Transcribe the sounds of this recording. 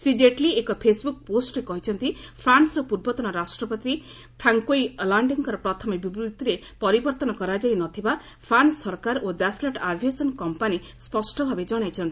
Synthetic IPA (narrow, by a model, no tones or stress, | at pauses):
sɾid͡ʒeʈliekɔpʰesbuk̚posʈɾekɔɦit͡ʃʰɔnt̪ipʰɾansɾɔpuɾbɔt̪ɔnɔɾasʈɾɔpɔt̪ɾi | pʰɾaŋkojlaɳɖiŋkɔɾɔpɾɔt̪ʰɔmebibut̪iɾepɔɾibɔɾt̪ɔnɔkɔɾad͡ʒajnɔt̪ʰiba | pʰɾansːɔɾkaɾod̪asleʈabʱjasɔnkɔmpani | spɔsʈɔbʱabed͡ʒɔɽ̃ajt͡ʃʰɔnt̪i̥